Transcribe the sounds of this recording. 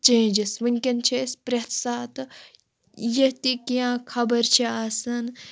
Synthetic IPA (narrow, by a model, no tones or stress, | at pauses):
t͡ʃẽːd͡ʒɐsʋɨŋʲkʲɐnt͡ʃʰespɾʲɐt̪ʰsaːt̪ɨ | jɐt̪ikiãːkʰɐbɐɾt͡ʃʰiaːsɐn